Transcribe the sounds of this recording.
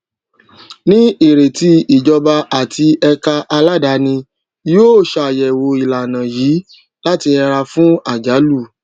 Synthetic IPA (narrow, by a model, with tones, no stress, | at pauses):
nĩ˦i˨ɾe˨ti˧i˨d͡ʒɔ˧ba˧a˨tʰi˧ɛ˧ka˧ʔa˧la˦˨da˨˧˦nĩ˧ | joː˦˨ʃa˨jɛ˨wo˧i˨la˨nã˨jiː˨˦ | la˦ti˧ɛ˧ɾa˧fũ˦a˦˨d͡ʒa˨˦lu˦˨